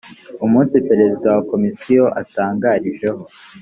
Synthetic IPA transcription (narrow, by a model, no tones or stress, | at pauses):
umuːnsipe̞ɾe̞zidawako̞misijo̞ʔataːŋɡaɾiʒe̞ɦo̞